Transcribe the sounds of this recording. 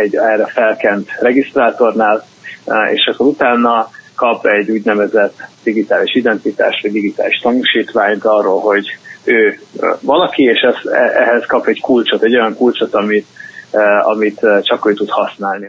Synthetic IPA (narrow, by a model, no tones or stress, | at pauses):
ɛɟɛrɛfɛlkɛnt̪rɛɡist̪raːt̪o̞rnaːl | ḛːʃɛkːoɾut̪aːnːɒkɒpɛɟːuːɟnɛvɛzɛt̪ːd̪̥iɡit̪aːliʃid̪ɛnt̪it̪a̰ːʃt̪ʋɒɟd̪iɡit̪a̰ːliʃt̪ɒnuʃiːt̪ʋaːɲt̪ɒrːoːlɦo̞ɟøːvɒlɒkieːʃɛz̥ɛʔɛɦɛskɒpɛɟkult͡ʃot̪ɛɟo̞jɒŋkult͡ʃot̪ɒmit̪ | ɒ̰mit̪t͡ʃɒkøːt̪ut̪hɒsnaːlni